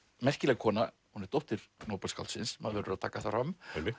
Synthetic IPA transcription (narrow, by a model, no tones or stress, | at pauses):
mɛr̥cɪlɛɣkʰɔːna | hunɛɾt̪ɔht̪ɪɾ̥noːwpalska̰lt̪sɪnsmaðvɛɾʏɾaðt̪ʰaːkaθaram